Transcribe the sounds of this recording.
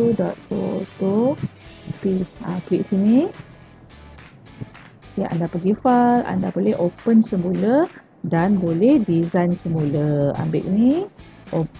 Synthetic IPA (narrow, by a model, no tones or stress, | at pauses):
udɔt̪̚o̰t̪o | piã̰kliʔsini | ja̰ʔa̰ndapəɡifala̰ndabolɛɦʔopənsəmulə | danbolɛhdizajnsəmuləa̰mbɪ̰ʔni | ʔo